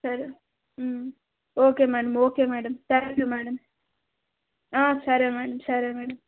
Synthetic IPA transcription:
sɐɾi | m | oːkeːmɛːɽɐmoːkeːmɛːɽɐmt̪aːŋkʲumɛːɽɐm | aːsɐɾimɛːɽɐmsɐɾimeːɽɐm

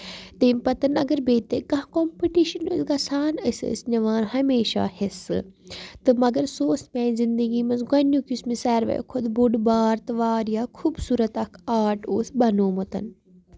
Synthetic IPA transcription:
t̪eːmpɐt̪ɐnɐɡɐɾbeːt̪ekɐ̃ɦkompiʈiʃɐnosɡasaːnɐsə̰snɐʋaːnhɐmeːʃa̰ːhesɨ̰t̪ɨmɐɡɐɾsoːsmɛ̃ːzind̪əɡiːmɐnzɡɐnjukʲusmisɛːɾʋḛjkʰod̪buɖbaːɾt̪ɨʋaːɾjaːkʰuːbsuːɾɐt̪ɐkʰaːʈoːsʰbɐnoːmot̪ɐ̰n

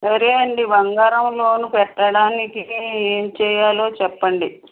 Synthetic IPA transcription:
sɐɾeɐɳɖibɐŋɡɐɾɐmlo̞ːnupɛʈːɐɽaːnikieːnt͡ʃɛːjaːlo̞ːt͡ʃɛpːɐɳɖi

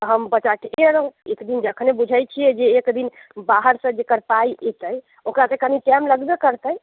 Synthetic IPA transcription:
t̪ɔɦəmbət͡ʃaʈeɾəɦũekd̪ind͡ʒəkʰənebud͡ʒʱajt͡ʃʰiɛd͡ʒeːkd̪in | baɦəɾsə̃d͡ʒekəɾpaiet̪əj | okɾat̪ekaniʈɛmləɡbekəɾt̪əj

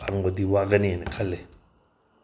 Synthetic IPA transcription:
a̰ɾŋɡod̪iwaʔɡənĩnekʰale

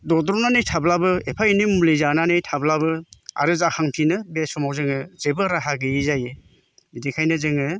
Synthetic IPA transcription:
dɔdɾɔnanejtʰablabɯepʰainimulezananejtʰablabɯa̰ɾɯzakʰaŋtʰinɯbesɔmawzɯŋɯzebɯɾaɦaɡɯizaje | idekʰajnɯzɯŋɯ

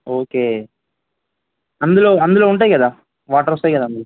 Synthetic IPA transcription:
oːkeː | ɐnd̪uloːɐnd̪uloːuɳʈaːjikɐd̪aː | ʋaːʈɐɾɔst̪aːjkɐd̪aːɐnd̪lo

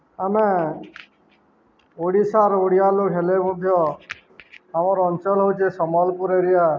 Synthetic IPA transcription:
ame | oɽisaɾoɽijalokɦelemũd̪ʱjɔ | amaɾɔɔnt͡ʃɔlɦowt͡ʃʰesɔmɔlpuɾeɾija

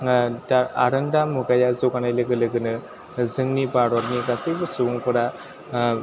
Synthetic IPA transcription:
daɾaɾɯndamuɡajazɔkanajlɯɡɯlɯɡɯnɯ | zɯŋnibaɾɔɾnikasɯbɯsubuŋpɯɾa

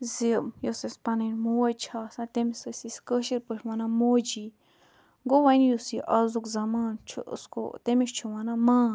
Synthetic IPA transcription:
zimjosespanẽnmõwet͡ʃʰasãt̪emĩsəsiskəʃiɾpʷeʃwãnãmod͡ʒi | ŋɡowãinĩjusiʔazukzamãnt͡ʃʰṵʔsko̰t̪emĩʃt͡ʃʰuwãnãmã

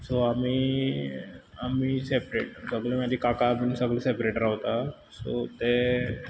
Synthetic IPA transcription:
soami | amisepɾeʈsəɡlemad͡ʑiːkakamiːnsəɡlesepɾeʈɾaʋt̪a | so̰t̪e

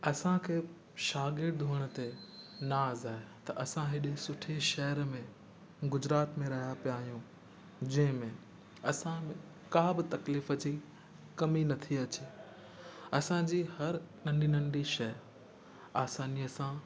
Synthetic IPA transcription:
ɐsãkʰeː | ʃaːɡɪɾɖd̪ʱuːəɽ̃ə̆t̪enaːzaːɦet̪ɐʔɐsãɦɪɗesʊʈʰeʃɐɦəɾmẽ | ɡʊd͡ʑɾaːt̪mẽɾɐɦijapijaːɦijũ | d͡ʑɐ̃ɦɪ̃mẽ | ɐsãmẽ | kaːbɪt̪ɐkliːfət͡ɕi | kɐminɐt̪ʰiɐt͡ɕe | ɐsãd͡ʑiːhɐɾnɐ̃ɳɖinɐ̃ɳɖiʃɐj | aːsaːniɐsã

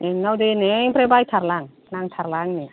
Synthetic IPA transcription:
neŋnawdeneŋpʰɾebajtʰaɾlaŋ | naŋt̪ʰaɾlaŋni

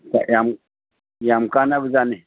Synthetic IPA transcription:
ka̰jam | jamukanabuzane

